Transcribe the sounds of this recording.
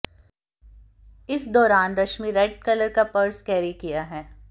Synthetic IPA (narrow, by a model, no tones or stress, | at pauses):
ɪsd̪ɔːɾaːnɾɐʃmiɾɛɖ̚kɐləɾkapɐɾskɛːɾikijaɦɛː